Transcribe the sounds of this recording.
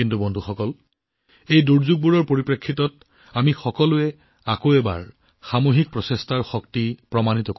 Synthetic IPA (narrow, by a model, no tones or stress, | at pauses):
intubɔndʱuxɔkɔl | ejduɹzuɡ̚buɹɔɹpoɹipɹekʰːitɔt̚ | amixɔkɔlʊɛ | akoɛba̰ɹ | xamoɦik̚pɹɔsestʰaɹxɔktipɹɔmanitɔk